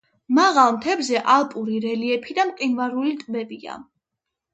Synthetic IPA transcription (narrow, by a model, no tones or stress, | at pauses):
maʁalˠmt̪ʰɛbzɛʔalˠpʼuɾiɾɛliɛpʰid̪amqʼinvaɾulit̪ʼbɛbia̰